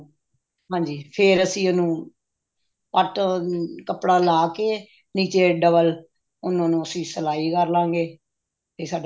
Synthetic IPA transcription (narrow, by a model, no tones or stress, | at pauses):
ɦãːɲd͡ʒiːpʰɪːɾəsĩːʊnũː | pəʈkəpɽaːlaːkeː | niːt͡ʃeːɖəbəl | ʊnãːnũːəsĩːsəlaːiːkəɾlãːɡeː | t̪eːsaːɖ